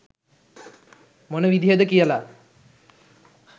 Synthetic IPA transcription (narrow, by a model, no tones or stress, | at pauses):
monəʋid̪ʱied̪əkijəla